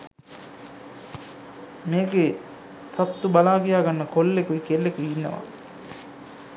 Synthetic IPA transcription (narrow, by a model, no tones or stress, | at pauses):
meːɡe | sɐpt̪ːubalaːkijaːɡanːəkolːekuikelːekeinːə̰ʋa̰